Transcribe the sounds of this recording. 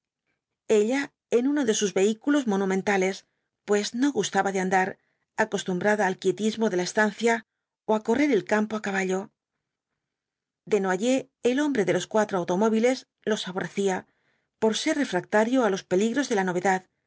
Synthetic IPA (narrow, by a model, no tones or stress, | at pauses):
e̞ʎa | enuno̞ðe̞suzβe̞ikulo̞zmo̞nũmẽnt̪ale̞s | pwe̞zno̞ɣust̪aβaðeand̪aɾ | ako̞st̪umbɾaðaalkje̞t̪izmo̞ðe̞laest̪an̟θja | oako̞re̞ɾe̞lkampo̞akaβ̞aʎo̞ | d̪e̞noaʝe̞ː | lo̞mbɾe̞ðe̞lo̞skwat̪ɾoawt̪o̞mo̞β̞ile̞z | lo̞sfaβo̞re̞θia | po̞ɾse̞ɾre̞fɾak̚t̪aɾjoalo̞spe̞liɣɾo̞zðe̞lano̞βe̞ðað